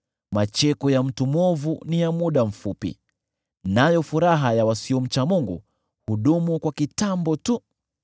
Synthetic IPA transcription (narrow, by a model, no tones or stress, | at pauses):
mat͡ʃɛkɔjam̩tumɔvunijamuɗam̩fupḭ | najɔfuɾaɦajawasiɔm̩t͡ʃamuŋɡṵ | huɗumukwakitambɔtu